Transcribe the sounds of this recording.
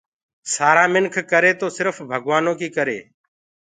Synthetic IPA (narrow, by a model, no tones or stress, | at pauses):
saːɾãːmɪnkʰkəɾeːt̪oːsɪɾfbʱəɡʋaːnõːkiːkəɾḛː